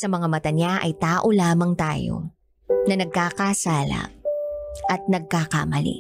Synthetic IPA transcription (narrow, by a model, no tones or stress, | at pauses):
sɐmɐŋamɐt̪ɐɲaʔɐ̰jt̪aːʔo̞laːmɐŋt̪a̰ːjo̞̰ | nɐnɐɡ̚kaːkasaːlɐ̰ | ʔɐt̪̚nɐɡ̚kakamɐlḭ